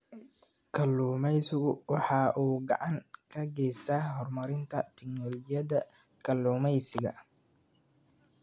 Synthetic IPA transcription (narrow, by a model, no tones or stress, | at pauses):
kʰɐlːuːmɛjsɪɣʊwɑħɑːʔuːɡɑ̰ʕɑŋkʰɐɡɛjst̪ʰaːɦɔrmɐɾɪnt̪ʰɐt̪ʰɪknɔlɔd͡ʒɪjɐðɐ | kʰɐlːuːmɛjsɪɣɐ̰